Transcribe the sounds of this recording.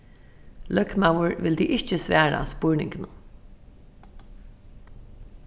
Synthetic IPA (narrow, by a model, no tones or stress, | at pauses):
lœkmawəɹʋɪld̪iːʔɪht͡ʃəsʋæːɹa̰spʊɹnɪ̰ŋkɪnʊ